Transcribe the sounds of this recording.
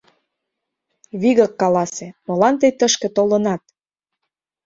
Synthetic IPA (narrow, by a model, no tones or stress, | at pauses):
βiɣə̆kːɑlɑsemɤ̆lɑnt̪əjt̪əʃkĕt̪olə̆nɑt̪̚